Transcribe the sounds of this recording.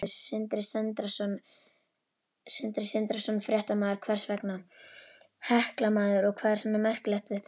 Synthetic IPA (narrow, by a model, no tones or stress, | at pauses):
ɪɾsɪnt̪ɾɪsɛnt̪ɾasɔn | sɪnt̪ɾɪsɪnt̪ɾasɔnfɾjɛht̪amaːðʏɾ̥kʰv̥ɛr̥svɛkna | hɛhklamaːðʏɾɔɣkʰvaːðɾ̥sanːamɛr̥klɛxt̪vɪðθ